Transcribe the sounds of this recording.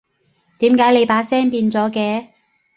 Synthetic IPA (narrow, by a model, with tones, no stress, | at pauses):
t̪iː˨˥mkaː˨˧˥jle˨˧jpaː˨˥sɛː˥ŋpiː˧nt͡sɔː˨˥kɛː˧